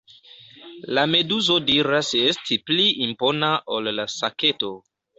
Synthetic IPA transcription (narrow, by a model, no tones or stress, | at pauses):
lame̞duzo̞diɾaseestʰipliʔimpo̞naʔolːasake̞to